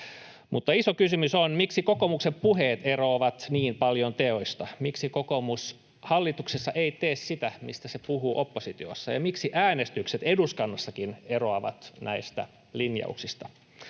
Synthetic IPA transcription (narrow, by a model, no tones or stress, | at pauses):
mut̪ːɑisokysymysonmiksikokomuksempuɦeːt̪eroːʋɑt̪niːmpɑljont̪eoist̪ɑmiksikokomus | hɑlːit̪uksesːɑʔeit̪eːssit̪æmist̪æsepuɦuːʔopːosit̪io̰sːɑ̰jɑ̰miksiʔæːnest̪ykset̪eduskɑnːɑsːɑkineroɑʋɑ̰t̪næist̪æ̰ | linjɑ̰ṵksist̪ɑ